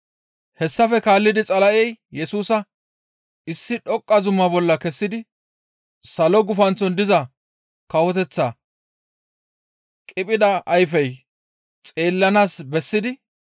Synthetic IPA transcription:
hɛsːɐfɛkaːlːɪd̪ɪt͡sʼɐlɐʔɛjjɛsuːsɐ | ɪsːɪᶑɔkʼːɐzʊmːɐbɔlːɐkɛsːɪd̪ɪ | sɐlɔɡʊfɐnt͡sːɔnd̪ɪzɐ | kɐwɔt̪ɛt͡sːɐ | kʼɪpʼɪd̪ɐːjfɛj | t͡sʼe̞ːlːɐnaːsbɛsːɪd̪ɪ

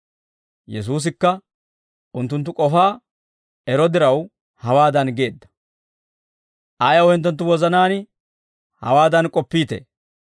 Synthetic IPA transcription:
jɛs̬uːs̬ɪkːɐ | ʊnt̪ːʊnt̪̬ːʊkʼɔfaː | ɛɾɔd̪ɪɾɐw | hɐwaːd̪ɐnɡe̞ːd̪ːɐ̥ | ʔajɐwhɪnt̪̬ːɔnt̪ːʊwɔzɐnaːnɪ | hɐ̰waːd̪ɐnkʼɔpːiːt̪ḛː

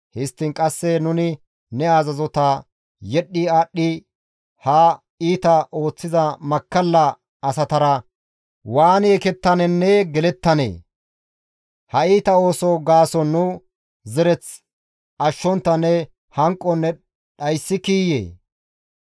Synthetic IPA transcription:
hɪst̪ːɪŋkʼɐsːɛnʊnɪ | nɛaːzɐzɔt̪a | jɛɗːɪaːɗːɪ | hɐ | iːt̪ɐʔo̞ːt͡sːɪzɐmɐkːɐlːɐ | ɐsɐt̪ɐɾɐ | waːneːkɛt̪ːɐnɛnːɛɡɛlɛt̪ːɐnḛː | hɐiːt̪ɐo̞ːsɔɡaːsɔnːʊ | zɛɾɛt͡s | ʔɐʃːɔnt̪ːɐnːɛ | hɐŋkʼːɔnːɛ | ɗɐjsːɪkiːjḛː

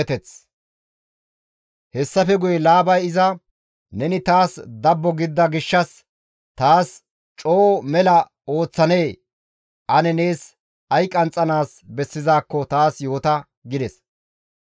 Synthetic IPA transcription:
t̪ɛt͡s | hɛsːɐfɛɡʊjɛlaːbɐjɪzɐ | nɛnɪt̪aːsd̪ɐbːɔɡɪd̪ːɐɡɪʃːɐs | t̪aːs | t͡ʃʼo̞ːmɛlɐ | o̞ːt͡sːɐne̞ː | ʔɐnɛne̞ːs | ɐjkʼɐnt͡sʼɐnaːs | bɛsːɪzaːkːɔt̪aːsjo̞ːt̪ɐ | ɡɪd̪ɛs

